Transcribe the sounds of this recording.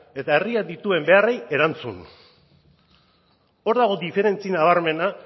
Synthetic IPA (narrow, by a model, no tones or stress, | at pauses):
e̞t̪ae̞riad̪it̪ue̞mbe̞areje̞ɾant͡sṵn | o̞ɾðaɣ̞o̞d̪ife̞ɾe̞nt͡sinaβ̞aɾme̞na